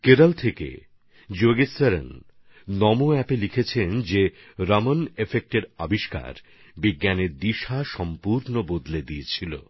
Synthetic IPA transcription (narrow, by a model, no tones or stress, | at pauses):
keɾalt̪ʰekḛ | d͡ʑoɡesaɾḛn | nɔmoɛpelikʰet͡ɕʰend͡ʑe | ɾamonefek̚ʈeɾabiʃka̰ɾ | biɡːaneɾd̪iʃaʃɔmpuɾnobod̪led̪iet͡ɕʰilo̰